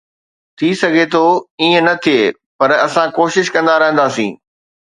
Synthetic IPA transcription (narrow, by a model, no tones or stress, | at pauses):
t̪ʰisɐɡʱet̪ʰoiːə̃nɐt̪ʰijeː | pɐɾɐsãkoːʃɪʃkɐ̃nd̪aɾɐɦə̃nd̪aːsḭ̃ː